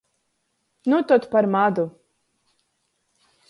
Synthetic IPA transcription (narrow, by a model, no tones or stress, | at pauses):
nut̪ɔt̪paɾmad̪u